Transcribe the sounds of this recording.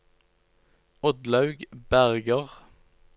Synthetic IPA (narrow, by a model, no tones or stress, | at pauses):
ɔd̪lɑʉɡbæʁɡəʁ